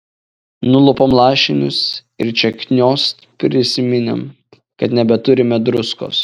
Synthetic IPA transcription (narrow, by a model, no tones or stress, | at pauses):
nʊlˠʊpomlˠɑːʃʲɪnʲʊs | ɪɾt͡ʃʲɛkʲnʲoːs | pʲɾʲɪsʲɪmʲɪnʲɪm | kɐt̪nʲɛbʲɛt̪ʊɾʲɪmʲɛd̪ɾʊsko̰ːs